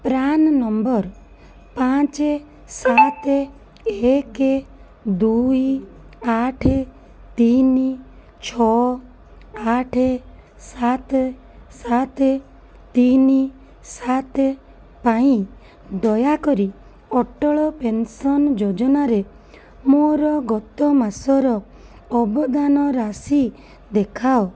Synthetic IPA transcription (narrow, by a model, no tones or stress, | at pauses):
pɾannɔmbɔɾ | pãt͡ʃe | sat̪e | eke | d̪ujaʈʰe | t̪ini | t͡ʃʰɔ | aʈʰe | sat̪ | sat̪e | t̪ini | sat̪e | paĩ | d̪ɔjakɔɾi | ɔʈɔɭɔpensɔnd͡ʒod͡ʒɔnaɾe | moɾɔɡɔt̪ɔmasɔɾɔː | bɔd̪anɔɾasi | d̪ekʰaw